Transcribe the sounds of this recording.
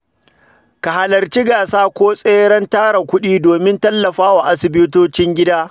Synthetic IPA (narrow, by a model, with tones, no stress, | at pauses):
ka˨ha˨lɐ˨rt͡ʃi˦ɡaː˨saː˦kʷoː˦sʼeː˦ɽɐ˦ntaː˦ɽa˨kʷʊ˦ɗiː˦doː˨mɪ˦ntɐ˦lːɐ˨ɸaː˦waː˨ʔa˦sɪ˨bɪ˦toː˦t͡ʃɪ˦ŋɡʲɪ˦daː˦